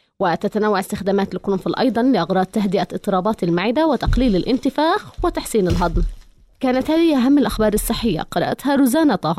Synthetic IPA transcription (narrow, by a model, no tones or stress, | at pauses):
wɪt̪at̪anawːaʕɪst̪ɪxd̪aːmaːt̪ɪlkɾʊmfɪlʔɑ̰jd̪ˤɑnlɪʔɑɣɾˤɑːd̪̚t̪aɦd̪ɪʔaɨt̪ˤːɨɾˤɑːbɑːt̪ɪlmaʕɪd̪awɪt̪ɑqliːlɪlʔɪnt̪ɪfaːxwɪt̪aħsiːnɪlɦɑd̪ˤm | kaːnat̪haːðɪhʔaɦamːɪlʔaxbɑːɾˤɑsˤːɨħːɪjːa̰qɑɾˤɑʔa̰t̪haɾʊzaːnɑt̪ʊ